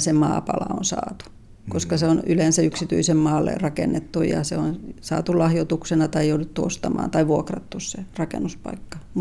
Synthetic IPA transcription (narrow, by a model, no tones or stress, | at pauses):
semɑ̰ːpɑlɑ̰o̰nsɑ̰ːt̪u̥ | koskɑseonylensɑyksit̪y̰isemmɑːlːḛrɑkḛnːet̪ːujɑ̰seonsɑ̰ːt̪ulɑhjot̪uksenɑt̪ɑijoudut̪ːuost̪ɑmɑ̰ːnt̪ɑiʋuokrɑt̪ːusserɑkḛnːuspɑ̰ikːɑ̥m